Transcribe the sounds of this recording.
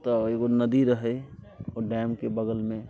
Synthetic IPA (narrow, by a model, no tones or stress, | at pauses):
t̪ɔeɡonəd̪iɾəɦəoɖɛmkebəɡəlmẽ